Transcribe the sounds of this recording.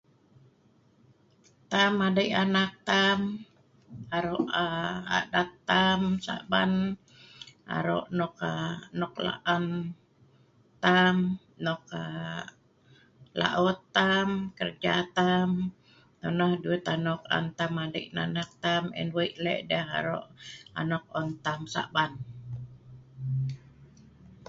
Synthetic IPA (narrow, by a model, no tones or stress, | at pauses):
t̪amadajʔanak̚t̪am | aɾoʔaa̰dat̪ːamsa̰ʔban | ʔa̰ɾo̰ʔnɔkanɔkla̰ʔan | t̪am | nɔk̚a | la̰ʔɔt̪amkərd͡ʒat̪am | t̪ɔnahduɛt̪anɔka̰nt̪amalḭʔnanak̚t̪amɛ̰nwiʔlɛ̰ʔdəɦa̰ɾo̰ʔa̰nɔk̚ɔnt̪amsa̰ʔban